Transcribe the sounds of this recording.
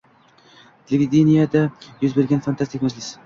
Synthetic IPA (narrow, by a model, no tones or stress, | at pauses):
t̪ʰelʲevʲid̪ʲenijad̪ajɵzbeɾɡʲanfant̪ʰast̪ik̚ʲmad͡ʒlɪs